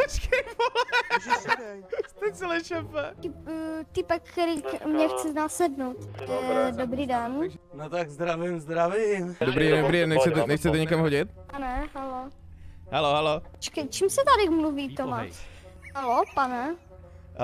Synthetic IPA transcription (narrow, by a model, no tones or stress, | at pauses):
skɛpol | st̪ɛt͡sɛlɛʃɛpɛt̪ɪpt̪ɪpɛkːɛɾikmɲɛxt͡sɛnasɛdnowt̪ | dobɾiːdɛnnot̪aɡzd̪ɾavimzd̪ɾavimd̪obɾiːɟɛnd̪obɾiːdɛnɲɛxt͡sɛt̪ɛnɛxt͡sɛt̪ɛɲɛkamɦoɟɪt̪̚panɛɦalo | haloɦalot͡ʃkɛt͡ʃimsɛt̪adɪkmluviːt̪omaʃɦalopanɛ